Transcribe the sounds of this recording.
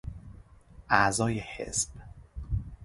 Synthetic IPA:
ʔæʔzɒːjehḛsb̥

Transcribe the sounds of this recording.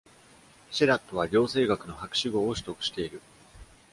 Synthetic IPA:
ɕiɾat̪ːo̞β̞aɾʲo̞ːse̞ːɡakɯ̟no̞hakɯ̟̥ɕiɡo̞ːoɕi̥t̪o̞kɯ̟ɕi̥t̪e̞iɾɯ̟

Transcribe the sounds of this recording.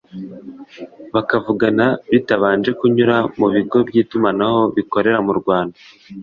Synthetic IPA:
βakavuɡanaβitaβaːnd͡ʒe̞kuɲuɾamuβiɡo̞bɟiːtumanaho̞βiko̞ɾe̞ɾamuɾɡwaːnda

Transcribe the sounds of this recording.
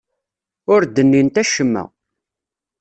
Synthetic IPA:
ʊɾd̪ənːint̪æʃəmːæ̰

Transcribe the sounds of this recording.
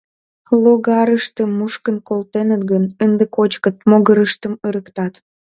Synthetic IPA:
loɣɑɾəʃt̪əmːuʃkənkolt̪enət̪ɡənənd̪əkot͡ɕkət̪̚moɣəɾəʃt̪əməɾəkt̪ɑt̪

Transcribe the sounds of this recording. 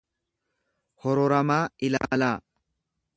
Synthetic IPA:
hɔɾɔɾɐmaːɪla̰ːlaː

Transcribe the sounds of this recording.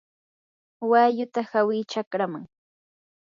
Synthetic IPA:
wajʊt̪ahawɪt͡ʃakɾamaŋ

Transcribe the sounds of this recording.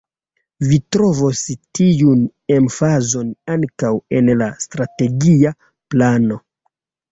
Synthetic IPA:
vitɾo̞vostiun | e̞mfazo̞naŋkawe̞nlastɾate̞ɡia | plano̞

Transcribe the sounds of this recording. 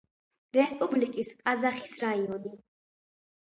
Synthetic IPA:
ɾɛspʼublikʼiskʼazaχisɾaiɔni

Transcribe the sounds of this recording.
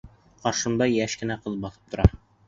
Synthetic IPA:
qɑɾʃɤ̆md̪ɑjæʃkɘ̆næqɤ̆lˠɤbɑθɤ̥p̚t̪ŏɾɑ

